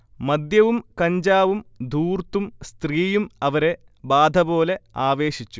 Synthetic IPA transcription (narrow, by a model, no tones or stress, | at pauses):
mɐd̪jɐʋumkɐɲd͡ʑaːʋumd̪ʱuːrt̪ːumst̪riːjumɐʋɐɾe̞ | baːd̪ʱɐbo̞ːle̞aːʋe̞ːɕit͡ɕːu